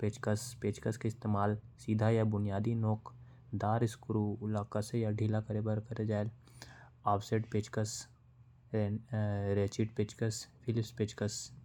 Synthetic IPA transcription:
peːt͡ʃkəspeːt͡ʃkəskeɪst̪eːmaːlsiːd̪ʱajabʊnijaːd̪inoːk | d̪aːɾɪskɾulaːkasejaɖʱiːlakɐɾebəɾkɐɾed͡ʒaːel | aːpʰseːɖpeːt͡ʃkəs | ɾeːt͡ʃiʈpeːt͡ʃkəspʰɪlɪpspeːt͡ʃkəs

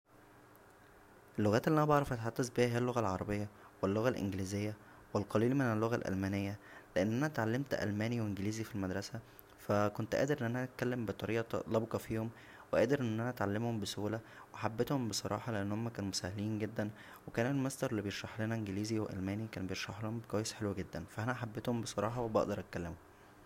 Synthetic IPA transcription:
ʔelːoɣæːt̪eliʔænæbɑʕɾˤɑfæt̪ħad̪ːæzbihæheælːoɣælʕɑɾˤɑbejːɑ | welːoɣælʔḛnɡliːzejːæ | welqɑliːlmenelːoɣælʔæ̰lmæːnejːæleʔenːʔænæʔæt̪ʕalːemt̪ʔæ̰lmæːniweʔenɡliːzifilmæd̪ɾˤɑsæ | fækont̪ʔæ̰ːd̪eɾʔenːʔænæʔæt̪̚kælːembet̪ˤɑɾiːʔɑt̪ɑt̪ˤlɑbkɑfiːhom | weʔæːd̪eɾʔenʔnːʔænæʔæt̪ʕalːemhombesuːlæwʔħabːet̪hombesˤɑɾˤɑ̰ːħɑleʔenːhomːækæːnmosæhːæliːnɡed̪ːæn | wekæːnelmesˤt̪ˤɑɾˤelːibejeɾʃɑħlenæʔenɡeliːziweʔæ̰lmæːnikæːnbejeɾʃɑħlohombekwæːjesħelwæɡed̪ːænfæʔænæħabːet̪hombesˤɑɾˤɑːħɑwebɑ̰ʔd̪ɑɾˤʔæt̪̚kælːemom

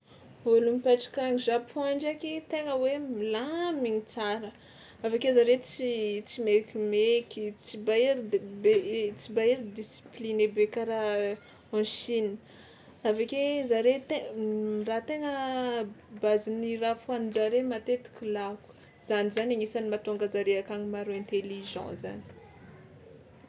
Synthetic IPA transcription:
olumipaʈ͡ʂḁkaŋʒapʰɔaɳd͡ʒakit̪eŋəwemilamiŋit͡saɾə | avakezaɾet͡sit͡simekʲimekʲit͡sibaiɾibt͡sibaiɾid̪isi̥plinebekaɾa | ɔ̃ʃini̥ | avakezaɾet̪erat̪eŋə | bazinirafuanid͡ʒaɾemat̪et̪i̥kʲilaku̥ | z̥anizanaŋisanimat̪oŋɡazaɾeakaŋimaɾoɛ̃nt̪eliʒɑ̰̃za̰ni̥

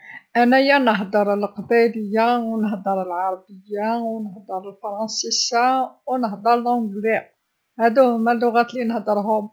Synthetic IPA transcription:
ʔænæjːænəɦd̪əɾˤəlqbæləjːawnəhd̪əɾˤəlʕɑɾˤɑbəjːawnəhd̪əɾˤəlfɑɾˤɑnsisawnəhd̪əɾˤlʕʊ̃ɡɾi | hæd̪uhʊmælːʊɣæt̪linəhd̪əɾˤɦʊm

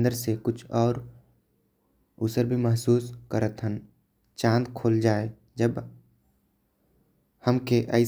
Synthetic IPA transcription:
d̪əɾsekʊt͡ʃʰɔːɾ | ʊsəɾbʱiməɦsuːskəɾət̪ɦən | t͡ʃãːnd̪kʰoːld͡ʒaːe | d͡ʒəb | həmkeʔəɪ

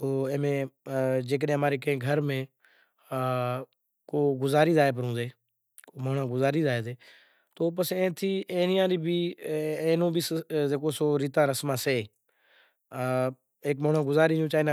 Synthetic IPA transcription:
t̪oːẽːmẽːd͡ʒeːk̬əɗẽːɦəmaːɾeːkəẽːɡʱəɾmẽː | koːɡʊzaːɾiːzaːeːp̬əɾõːd̪eː | koːmoːɳãːɡʊzaːɾiːzaːeːd̪eː | t̪oːp̬əsẽːt̪ʰiːʔẽːnɪjãːɾiːbʱiːẽːnõːbʱiːszeːkoːsoːɾiːt̪ãːɾəsmãːseː | eːkmoːɳãːɡʊzaːɾiːd͡ʒũːt͡ʃaːiːnã

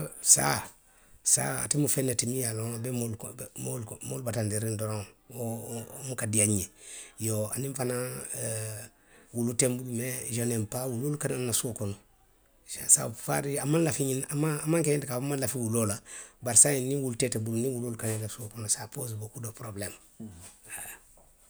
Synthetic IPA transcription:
sa̰ | sa̰a̰timufɛ̃netimĩjalɔ̃bɛmolmolmolubatãndiɾĩndɔɾɔ̃omukadijaɲiɲejoa̰nĩfana | wulutɛ̃mbulumɛʒanempawulolukanannasokɔnɔ | sasa̰fa̰ɾiamãnlafiɲĩnamãamãŋkɛɲɛ̃ntikaamãnlafĩwulolabaɾsajenĩwulutɛtɛbulunĩwulolukanẽlasokɔnɔsapozbokudopɾoblɛm | a

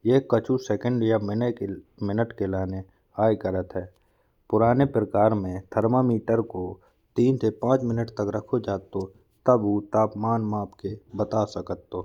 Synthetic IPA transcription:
jeːkət͡ʃʰusɛːkə̃ɳɖjamɪnemɪnəʈkelaːne | aːjkəɾət̪ɦɛː | pʊɾaːnepɾəkaːɾmẽt̪ʰəɾmamiːʈəɾko | t̪iːnsepãːt͡ʃmɪnəʈt̪əkɾɐkʰod͡ʒaːt̪o | t̪əbut̪aːpmaːnmaːpʰkebət̪aːsɐkət̪ːoː

